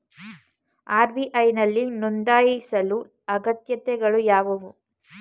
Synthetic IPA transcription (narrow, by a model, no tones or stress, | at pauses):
aːɾbiʔɐjnɐlːinɔnd̪aːjisɐlu | ɐɡɐt̪jɐt̪ɛɡɐɭujaːʋɐʋu